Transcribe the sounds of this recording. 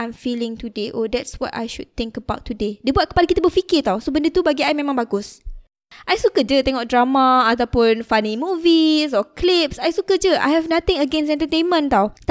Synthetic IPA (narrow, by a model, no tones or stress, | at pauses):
ãjmfilɪ̃ŋt̪udeʔodɛtswɔ̰ta̰jʃud̚t̪ɪ̃ŋkəba̰wt̪ʰːudedəbuat̚kə̥palakit̪abəfikɪt̪awsobə̃ndət̪ubaɡiajmẽmãŋbaɡʊs | ʔajsukəd͡ʒət̪ɛŋɔʔ̚dɹamãat̪awpʊnfanĩmũvisɔklipsajsukəd͡ʒəʔa̰jɦɛvnat̪ɪ̃ŋəɡɛ̃nsɛ̃nt̪ət̪ẽnmə̃nt̪awt̪